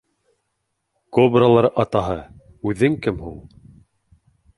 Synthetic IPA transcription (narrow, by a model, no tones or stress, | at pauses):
kobralˠɑɾʔɑt̪ɑɦɤ | ʉðɘŋkɘmɦulˠ